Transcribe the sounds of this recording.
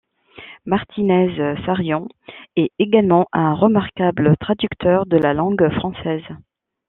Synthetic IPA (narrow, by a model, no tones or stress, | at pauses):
maʁt̪ʰinɛzsaʁjɔ̃ | ɛeɡalmɑ̃ʔɛ̃ʁəmaʁkablət̪χad̪ykt̪ʰœʁd̪əlalɑ̃ɡfχɑ̃sɛz